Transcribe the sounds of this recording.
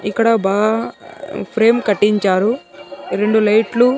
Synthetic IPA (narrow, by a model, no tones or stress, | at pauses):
ikːɐɽɐbaːɡɐ | pʰɾe̞ːmkɐʈːiɲt͡ʃaːɾuɾeɳɖulɐjʈlu